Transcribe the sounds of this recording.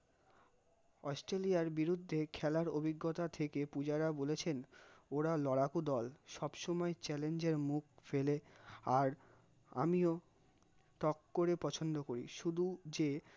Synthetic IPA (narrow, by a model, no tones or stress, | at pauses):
ɔsʈɾeliaɾbiɾud̪ʱːekʰɛlaɾobʱiɡːot̪at̪ʰekepud͡ʑaɾabolet͡ɕʰenoɾalɔɽakud̪ɔlʃɔbʃɔmɔet͡ɕɛlend͡ʑeɾmuk̚ʰfeleaɾ | a̰mio | t̪ɔkːoɾepɔt͡ɕʰond̪okoɾḭʃud̪ʱud͡ʑe